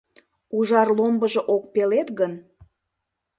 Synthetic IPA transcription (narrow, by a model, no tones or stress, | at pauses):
uʒɑrlombəʒeʔok̚pelet̪ɡən